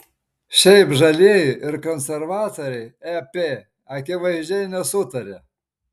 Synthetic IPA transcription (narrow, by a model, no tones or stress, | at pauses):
ʃʲɛɪpʒɐlʲeːjʊʔɪɾkɔnʲsʲɛɾʋɑːt̪oɾʲɛɪɛpʲeː | ɐkʲɪʋɐɪʒʲd͡ʒʲɛɪnʲɛsʊt̪ɐɾʲe